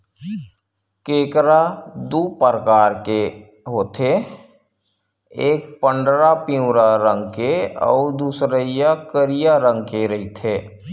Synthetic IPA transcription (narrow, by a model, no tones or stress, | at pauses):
keːkɾad̪uːpəɾkaːɾke | ɦoːt̪ʰe | eːkpəɳɖɾapiũɾaɾə̃ŋɡkeɔ̰ːɾd̪uːsɾəijakəɾijaɾə̃ŋɡkeɾəɦit̪ʰeː